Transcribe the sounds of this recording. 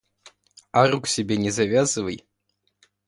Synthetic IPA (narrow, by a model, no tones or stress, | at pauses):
aɾuksʲɛbʲenʲɛzavʲazɨvəj